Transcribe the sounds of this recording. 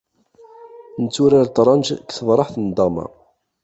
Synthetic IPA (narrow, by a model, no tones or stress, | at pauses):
nət͡sːʊɾaɾt̪ɾˤɑnd͡ʒkθəvɾˤɑħθənd̪ɑma̰